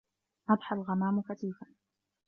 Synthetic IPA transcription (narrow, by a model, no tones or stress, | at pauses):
ʔɑd̪ˤħalɣamaːmʊkat̪iːfan